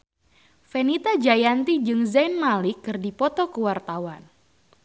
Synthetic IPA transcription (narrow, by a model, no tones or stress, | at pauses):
fɛnit̪ad͡ʒajant̪id͡ʒɨŋzajnmalɪkːɨrdipɔt̪ɔkəwart̪awan